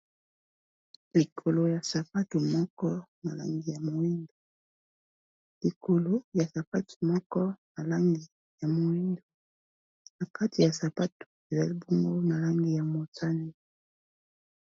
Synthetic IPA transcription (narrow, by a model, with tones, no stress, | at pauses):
li˨kʰo˨lo˨ja˨sa˨pa˦tu˨mɔ˦kɔ˦na˨la̰˦ŋɡi˨ja˨mo˨wi˦ndo˨ | li˨ko˨lo˨ja˨sa˨pa˦tʰu̥˨mɔ˦kɔ˦na˨la˦ŋɡi˨ | ja˨mo˨wi˦ndo˨ | na˨ka˦ti˨ja˨sa˨pa˦tu̥˨e˨za˨li˦bo˦ŋɡo˦na˨la˦ŋɡi˨ja˨mo˨ta˦ni˦